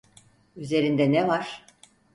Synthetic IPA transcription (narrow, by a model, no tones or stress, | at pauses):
yze̞ɾind̪ɛnɛvaɾ̥